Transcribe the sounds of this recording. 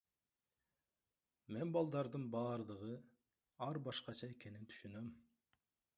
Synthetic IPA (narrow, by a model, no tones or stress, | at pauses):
menbɑlˠd̪ɑɾd̪ɯnbɑːɾd̪ɯʁɯ | ɑɾbɑʃqɑt͡ʃʰɑekʲʰenint̪ʰy̥ʃynøm